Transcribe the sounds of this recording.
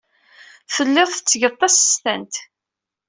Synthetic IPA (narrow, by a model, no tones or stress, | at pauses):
fəlːɪðˤθət͡sːəʝət̪ˤːɑsə̥st̪ænt̪